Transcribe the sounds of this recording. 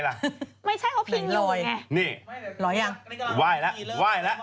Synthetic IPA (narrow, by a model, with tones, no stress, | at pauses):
la˧˩ma˥˩jt͡ɕʰa˦˥˩jkʰa˨˦wpʰi˨˦˩ŋloː˧˩jni˧˩lɔː˨˦ja˧˩waː˧˩jlɛ˦˥ʔwaː˧˥˩jlɛ˦˥ʔ